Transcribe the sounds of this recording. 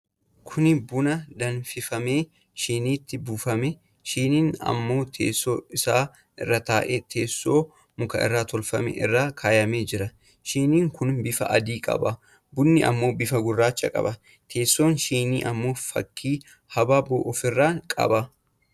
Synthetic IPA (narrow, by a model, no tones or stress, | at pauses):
kʰʊnɪbʊnɐd̪ɐnfɪfɐme̞ː | ʃiːniːt̪ːɪbuːfɐmɛ | ʃiːniːnɐ̰mːo̞ːt̪ʰḛːsːoːɪsaː | ʔɪrːɐt̪aːʔet̪ʰeːsːo̞ː | mʊkɐ̰ʔɪ̰rːaːt̪ɔlfɐmɛ̰ʔɪrːaːkʰaːjɐmeːd͡ʒɪɾɐ | ʃiːniːŋkʰʊnbɪfɐ̰ʔɐd̪iːkʼɐ̰ba | bʊnːɪʔɐ̰mːo̞ːbɪfɐɡʊrːaːt͡ʃːɐkʼɐ̰bɐ | t̪ʰe̞ːsːo̞ːnʃiːniːʔɐmːo̞ːfɐ̰kʰːiː | hɐbaːboːʔɔfɪrːaːkʼɐ̰ba